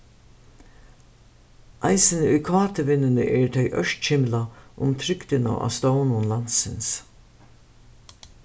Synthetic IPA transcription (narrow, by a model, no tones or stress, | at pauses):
ʔajsɪnɪʊjkʰaːt̪ɪʋɪnːɪnɪʔɛɹt̪ʰɛjʔœ̰ʂt̪t͡ʃʰɪmlaʔʊ̰mt̪ʰɾʏkt̪ɪna̰wa̰st̪ownʊnlansɪns